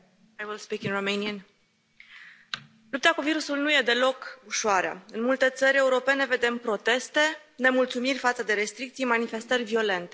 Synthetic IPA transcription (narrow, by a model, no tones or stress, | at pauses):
ajwilspikinromejniən | lup̚t̪akuviɾusulnuje̞d̪e̞lo̞kuʃoaɾea̰ɨnmult̪e̞t̪səɾʲe̞uɾo̞pe̞ne̞ve̞d̪e̞mpɾo̞t̪e̞st̪e̞ | ne̞mult̪sumirʲfat̪səd̪e̞ɾe̞st̪ɾik̚t̪sijmanife̞st̪ərʲvio̞le̞nt̪e̞